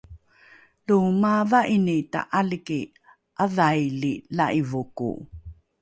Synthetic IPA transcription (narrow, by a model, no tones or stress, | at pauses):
lumavaʔinita̰ʔaliki | ʔaðajlilaʔivukṵ